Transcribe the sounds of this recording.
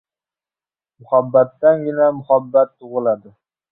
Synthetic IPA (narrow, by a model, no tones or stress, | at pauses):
mʊhabːat̪ːanɡʲɪnamʊhabːat̪ʰːʊʁɨlˠad̪ɪ